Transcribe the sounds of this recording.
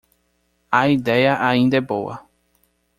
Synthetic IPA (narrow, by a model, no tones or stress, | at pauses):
aid̪ejaʔaĩnd̪epowa̰